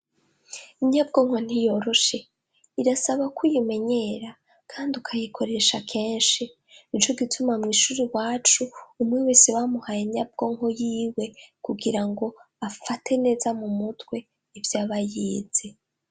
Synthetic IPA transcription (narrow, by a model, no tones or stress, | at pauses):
iɲab̚ɡo̞ŋho̞n̥ijo̞ɾo̞ʃe̞ | iɾasaβakʰujime̞ɲe̞ɾa | kʰaːndiukʰajikʰo̞ɾe̞ʃakʰe̞ːnʃi | it͡ʃo̞ɡitʰumamŋiːʃuːɾiwaːt͡ʃuːmŋewesiβamuhajeɲab̚ɡo̞ŋho̞jiːwe̞kuɡiɾaŋɡo̞ | afatʰe̞ne̞ːzamumutwe̞ | ivjaːβajiːz̥e